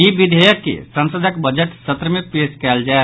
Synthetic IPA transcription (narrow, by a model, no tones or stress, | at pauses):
ibid̪ʱəjəkːḛsə̃nsəd̪ʱəkbəd͡ʒəʈsət̪ɾəmepeskɛld͡ʒae